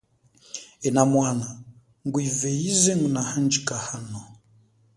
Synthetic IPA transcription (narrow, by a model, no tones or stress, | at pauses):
ɛnamwana | ŋɡwivɛizɛŋɡunahand͡ʒikahanɔ